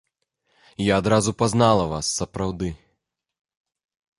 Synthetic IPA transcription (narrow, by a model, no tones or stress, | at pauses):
jaːd̪ɾazupaznalˠɐvasːɐpɾawd̪ɨ